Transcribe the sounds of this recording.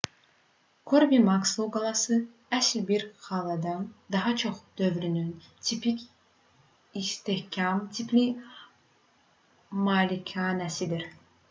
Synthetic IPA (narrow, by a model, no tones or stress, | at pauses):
kʰoɾbimɑksˠoɡɑlˠɑsɯ | æslbiɾχɑlˠɑd̪ɑnd̪ɑɦɑt͡ʃʰo̞χd̪̥ø̞vɾynyn | t̪ʰipʰicʲ | ist̪ehcʰɑmt̪ʰipʰli | mɑlʲikʰɑːnæsid̪iɾ